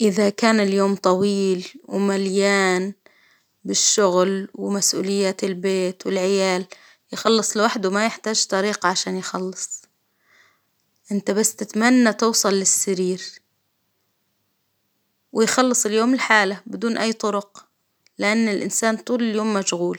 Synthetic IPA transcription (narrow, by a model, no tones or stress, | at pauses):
ʔɪðakaːnɪljoːmt̪ˤɑwiːlwɪmaljaːn | bɪʃːʊɣlwɪmasʔṵːlɪjːaːt̪ɪlbeːt̪wɪlʕɪjaːl | jɪxɑlːɨsˤlɪwaħd̪ʊmajɪħt̪aːʒt̪ˤɑɾiːqʕaʃaːnjxɑlːɨsˤ | ʔɪnt̪abasːt̪ɪt̪manːat̪ɪːsˤɑlːɪsːaɾiːɾ | wɪjxɑlːɨsˤɪljoːmɪlħaːlabɪd̪uːnʔajːt̪ˤʊɾʊq | lɪʔanːɪlʔɪ̰nsaːnt̪uːlɪljoːmːaʃɣuːl